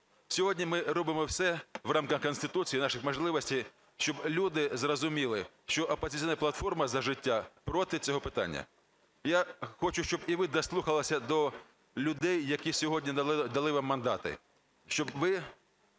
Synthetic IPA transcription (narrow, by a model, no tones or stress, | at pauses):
sʲɔɦɔdʲnʲimɪɾɔbɪmɔwsɛʋrɑmkɐxkɔnst̪ɪt̪ut͡sʲijinɑʃɪxmɐʒlˠɪʋɔsʲtʲij | ʃt͡ʃɔblʲud̪ɪzrɔzʊmʲilˠɪ | ʃt͡ʃɔʔɐpɐzʲɪsʲinɐplˠɐt̪fɔrmɐzɐʒɪtʲːapɾɔt̪ɪt͡sʲɔɦɔpɪt̪ɑ̰nʲːɐ̰ | jaxɔt͡ʃʊʃt͡ʃɔbiʋɪd̪ɐslˠuxɐlˠɐsʲɐd̪ɔ | lʲʊd̪ɛjːɐkʲisʲɔɦɔdʲnʲid̪ɐlˠɪʋamːɐnd̪ɑ̰t̪ɪ̰ | ʃt͡ʃɔbʋɪ